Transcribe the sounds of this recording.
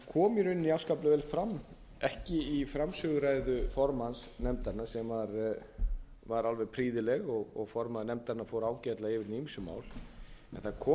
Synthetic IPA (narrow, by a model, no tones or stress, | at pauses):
kʰɔːmɪɾʏnːiawskaplʏvɛːlfɾamː | ɛhcɪifɾamsʏɣʏɾajɾðʏfɔɾmansnɛmt̪aɾnasɛmvaɾ | vaɾalvɛɾpʰɾiːðɪlɛɣɔɣɔɣfɔɾmaðnɛmt̪aɾnːafoːwɾaːwcɛt̪laɪvɪɾnimisʏma̰ːwlɛ̰nθakʰɔː